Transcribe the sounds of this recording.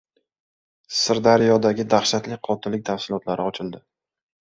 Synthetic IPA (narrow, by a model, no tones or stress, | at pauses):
sɪɾd̪aɾjɒd̪aɡʲɪd̪aχʃat̪lɪqʰɒt̪ʰɪnlːɪk̚ʲt̪ʰafsɪlˠɒt̪laɾɪɒt͡ʃʰɪld̪ɪ